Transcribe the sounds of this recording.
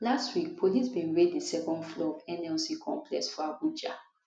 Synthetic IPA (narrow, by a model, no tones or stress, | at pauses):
lastwik̚pʰolisbĩnɹedðisɛkɔ̃ndflɔɔvɛ̃nɛlsikʰɔ̰̃mpʰlɛ̰sfɔabud͡ʒa